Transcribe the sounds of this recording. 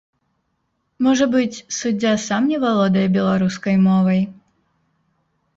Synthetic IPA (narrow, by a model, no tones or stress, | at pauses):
mɔʐɐbɨt͡sʲsʊdʲasamnʲivɐlˠɔd̪ɐjbʲɛlˠɐɾuskɐjmɔvɐj